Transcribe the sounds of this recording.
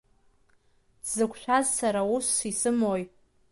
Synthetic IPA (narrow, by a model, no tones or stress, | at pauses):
z̥ɨkʷʰʃᶣazsaɾausːisɨmojʼ